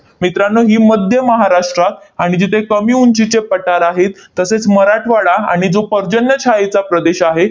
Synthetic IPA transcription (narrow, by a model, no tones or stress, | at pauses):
mit̪ɾanːəɦiːməd̪ʱjəməɦaɾaʂʈɾat̪aɽ̃id͡ʑit̪ʰekəmiːunt͡ɕit͡ɕepːəʈaɾaɦet̪ːəset͡sməɾaʈʰʋaɭaa̰ɽ̃id͡zopəɾd͡ʑənjət͡ɕʰaet͡sapɾəd̪eɕaɦe